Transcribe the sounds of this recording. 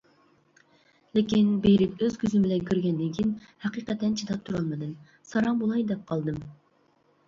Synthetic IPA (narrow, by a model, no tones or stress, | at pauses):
lɪkʲinbeɾɪpøz̥kʲʰyzɪmbɪlɛnkʲʰøɾɡʲɛnd̪ɪŋkʲʰinhɛqiːqɛt̪ːɛnt͡ʃʰid̪ɑp̚t̪ʰuɾɑlˠmɨd̪ɨm | sɑɾɑŋbolˠɑjd̪ɛp̚qʰɑlˠd̪ɨm